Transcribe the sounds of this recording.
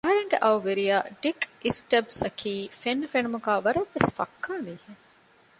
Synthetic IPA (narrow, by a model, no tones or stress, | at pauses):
ɐɦɐɾeŋɡeʔɐwʋeɾijaːɖikisʈɐbsɐkʰiːfenːufenumuɡaːʋɐɾɐʋːesfɐ̰kːaːmiːheŋ